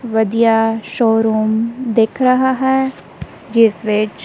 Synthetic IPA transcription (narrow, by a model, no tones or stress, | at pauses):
ʋɐd̪ijaʃɔːɾuːmd̪eːkʰɾɐɦaɦɛː | d͡ʒɪsʋet͡ʃ